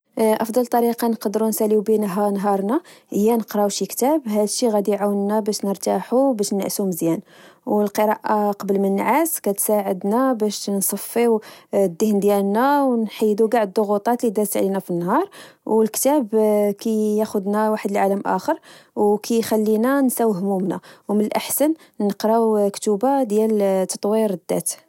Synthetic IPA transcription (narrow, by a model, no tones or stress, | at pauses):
ʔɑfd̪ˤɑlt̪ˤːɑɾiqɑnqd̪əɾunsælibinɦɑnɦɑɾˤnæhəjːænəqɾˤɑwʃikt̪æbɦæd̪ʃiɣæd̪iʕawənːæbæʃnəɾt̪aħubæʃnæ̰ʔsuməzjænwəlqəɾˤɑʔaqɑbəlmənːʕaskæt̪saʕəd̪næbæʃnsˤɑfːiwd̪ːəhnd̪jælnæwnħijːd̪uɡaʕd̪̚d̪ˤːoɣut̪ˤɑt̪lid̪æt̪əʕlinæfinːhɑɾˤwlkt̪æbkæjæxʊd̪næwaħəd̪əlʕaləmʔæ̰xəɾˤwkʰæjxælːinænsæwhmumnæ̰wmənəlʔaħsən | nəqɾˤɑwkt̪ubad̪jælt̪ːɑ̥t̪ˤwiɾd̪ːæ̰t̪